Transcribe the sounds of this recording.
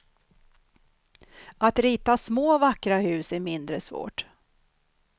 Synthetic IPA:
at̪ɾiːt̪asmoːvakɾahʉ̟ːsæɾmɪnd̪ɾəsvo̰ːʈ

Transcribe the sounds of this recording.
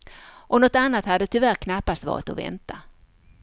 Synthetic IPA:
ʔɔnɔt̪anːat̪had̪ːət̪ʰʏvæɾkʰnapːast̪vɑ̰ːɾɪt̪ɔvɛ̰nt̪ʰa

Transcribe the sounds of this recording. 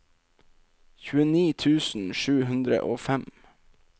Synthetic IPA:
çʉːəniːt̪ʰʉːsn̩ʃʉːɦʉnd̪ɾə̰ʔoːfɛm

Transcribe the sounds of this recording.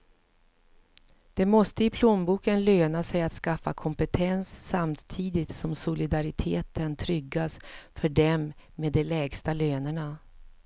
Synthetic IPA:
d̪̥ɛmɔst̪əɪpʰloːnbuːkənløːnasɛjat̪skafːakʰɔmpət̪ʰɛnsːamt̪ʰiːd̪ɪt̪sɔmsʊlɪd̪aɾɪt̪ʰeːt̪ənt̪ʰɾʏɡːasfœɖɛmːeːd̪ːɛlɛːɡst̪aløːnəɳa

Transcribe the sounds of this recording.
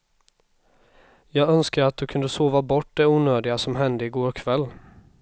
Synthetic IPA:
jɑːɡœnskaɾat̪̚d̪ɵkʰɵnd̪əsoːvabɔʈːd̪ɛuːnøːd̪ɪɡasɔmɦɛnd̪əɪɡoːɾkʰvɛlː

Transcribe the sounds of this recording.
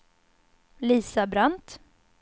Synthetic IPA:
liːsabɾant̪

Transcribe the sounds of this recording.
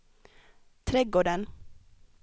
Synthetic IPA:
t̪ʰɾɛɡoːɖən

